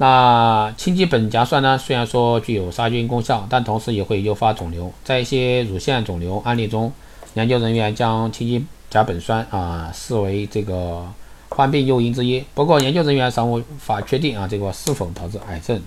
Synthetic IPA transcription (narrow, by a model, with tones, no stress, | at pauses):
na˥˧t͡ɕʰi˥ŋt͡ɕi˥pə˨˩nt͡ɕja˧˥swa˥˩nə˩swe˥ɪɻa˧˥nʂwɔ˥t͡ɕy˥˩jo˨˩ʊʂa˥t͡ɕy˥nkʊ˥ŋɕjɑ˥˩ŋt̪a˥˩nt̪ʰʊ˧˥ŋʂɻ̩˧˥jɛ˨˩xwe˥˩ɪjo˥ʊfa˥t͡sʊ˨˩ŋljo˧˥ʊt͡sa˥˧ɪi˥˩ɕjɛ˥ɻu˨˩ɕjɛ˥˩nt͡sʊ˨˩ŋljo˧˥ʊʔa˥nljɛ˥˩nʈ͡ʂʊ˥ŋ | jɛ˧˥nt͡ɕjo˥ʊɻə˧˥nɥɛ˧˥nt͡ɕjɑ˥ŋt͡ɕʰi˥ŋt͡ɕi˥t͡ɕja˧˥pə˨˩nswa˥˩nə˧ʂɹ̩˥˩we˧˥ɪʈ͡ʂɤ˥˩ɡə˩ | xwa˥˧npi˥˧njo˥˧ʊi˥nʈ͡ʂɻ̩˥i˥pu˧˥kwɔ˥˩jɛ˧˥nt͡ɕjo˥ʊɻə˧˥nɥɛ˧˥nʂɑ˥˩ŋu˥˩fa˨˩t͡ɕʰɥɛ˥˧t̪i˥˩ŋɐ˧ʈ͡ʂɤ˥˩ɡə˩ʂɹ̩˥˧fo˨˩ʊt̪ʰɑ˧˥ʊʈ͡ʂɻ̩˥˧˩ʔa˨˩ɪʈ͡ʂə˥˩n